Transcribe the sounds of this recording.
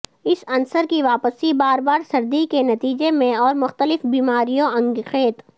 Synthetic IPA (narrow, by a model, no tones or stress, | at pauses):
ɪsɐnsəɾkiʋaːpəsibaːɾbaːɾsɐɾd̪ikenɐt̪iːd͡ʒemẽɔːɾmʊxt̪əlɪfbiːmaːɾijõɐ̃ŋɡxeːt̪